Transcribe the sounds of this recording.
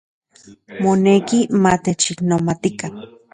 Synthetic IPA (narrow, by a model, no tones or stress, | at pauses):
monekimat̪et͡ʃiknomat̪ikan